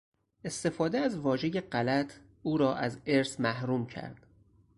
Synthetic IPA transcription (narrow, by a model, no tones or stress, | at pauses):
e̞st̪e̞fɒːd̪eæzvɒːʒe̞jeɢælæt̪ʰ | ʔuːɾɒːʔæzeɾsmæhɾuːmcʰæ̰ɾd̪̥